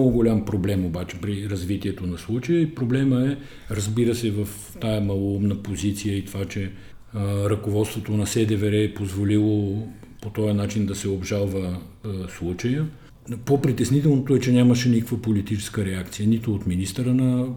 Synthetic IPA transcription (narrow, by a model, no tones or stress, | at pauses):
oɡʊɡolʲampɾoblɛmobat͡ʃɛ̥pɾiɾɐzvit̪iɛt̪onɐslˠut͡ʃəjəipɾoblɛməɛ | ɾɐzbiɾəsɛvəf | t̪ajəmɐlˠoumnəpozit̪sijəit̪ovat͡ʃɛ | ɾɐkovɔt̪st̪vot̪onɐsɛd̪ɛvɛɾɛːpozvolilˠo | pot̪ɔjənat͡ʃind̪ɐsɛobʒalˠvə | slˠut͡ʃəjə | popɾit̪ɛsnit̪ɛlˠnot̪oɛt͡ʃɛnʲaməʃɛnikəkvəpolit̪it͡ʃɛ̥skəɾɛakt̪sijənit̪oːt̪minist̪əɾənɐ